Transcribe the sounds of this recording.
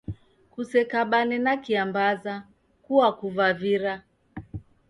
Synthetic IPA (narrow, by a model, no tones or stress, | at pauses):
kusɛkaɓanɛnakiambaza | kuakuvaviɾa